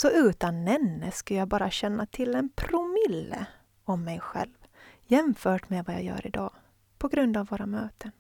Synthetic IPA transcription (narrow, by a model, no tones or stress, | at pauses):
sɔʉ̟ːt̪anːɛnːəskajaːbɑːɾaɕɛnːat̪ʰɪlːɛnpʰɾʊmɪlːə̰ | ɔmːɛjɧɛ̰lvjɛmfœːʈmeːvaja̰ːjœ̰ːɾɪd̪ɑ̰ː | pʰɔɡɾɵnd̪avːoːɾamøːt̪ʰən